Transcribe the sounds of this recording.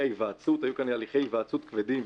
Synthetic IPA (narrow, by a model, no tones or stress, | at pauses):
ejvaːt͡sut̪ajukanlealiχe̞jvaːt͡sut̪kved̪im